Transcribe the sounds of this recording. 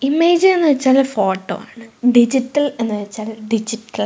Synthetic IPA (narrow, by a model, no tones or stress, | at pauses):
imeːd͡ʑenːɨʋɐt͡ɕːaːlfoːʈːo̰ːa̰ːɳɨɖid͡ʑiʈːɐlenːɨʋɐt͡ɕːaːlɖid͡ʑiʈːɐl